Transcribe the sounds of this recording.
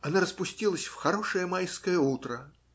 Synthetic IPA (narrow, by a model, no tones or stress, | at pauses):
ɐnaɾəspʊsʲtʲilˠəsʲfxɐɾo̞ʂɨjəmajskəjəut̪ɾə